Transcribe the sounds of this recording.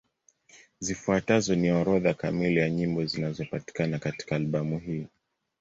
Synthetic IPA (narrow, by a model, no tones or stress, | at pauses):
zifuatazɔniaɾɔðakamilijaɲimbɔzinazɔpati̥kanakati̥kaːlɓamuɦiː